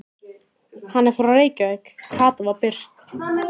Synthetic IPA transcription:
hanːɛɾ̥faɾawreːjcavɛkkʰːaːt̪avapɪr̥st̪

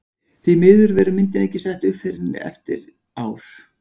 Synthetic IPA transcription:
θvimɪːðʏɾvɛɾʏmɪnt̪ɪnɛhcːɪsɛht̪ʏfɪɾɪnːɪ̰ɛ̰ft̪ɪ̰ɾ | aːwɾ̥

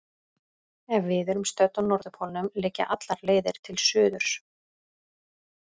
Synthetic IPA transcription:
ɛvɪðɛɾʏmst̪œt̪ɔnːɔɾðʏpʰɔlnʏmlɪːca̰ʔat̪laɾleːjðɪɾ̥t̪ʰɪlsʏːðʏɾ̥s

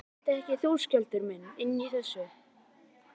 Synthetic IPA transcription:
t̪ɪɛhcɪθuːscalt̪ʏɾmɛnɪnːiθɛsːʏ

